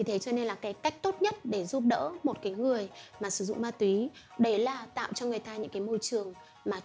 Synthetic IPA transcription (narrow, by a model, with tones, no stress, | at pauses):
i˨˩t̪ʰe˨˦t͡ɕɔ˧ne˧nlaː˨˩kaː˨˦jka˦˥jk̟̚t̪o˦˥t̚ɲə˦˥t̚ɗe˧˩zu˦˥p̚ɗə̰ː˧˥mo˨˩t̚kaː˨˦jŋɨ˨˩əjmaː˨˩sɨ˧˩zʊ̰˧˨ŋ͡mmaː˧t̪wi˨˦ | ɗə˧˩jlaː˨˩t̪a̰ː˧˨wt͡ɕɔ˧ŋɨ˨˩əjt̪aː˧ɲɨ̰˧˥ŋkaː˨˦jmo˧jt͡ɕɨ˨˩əŋ | maː˨˩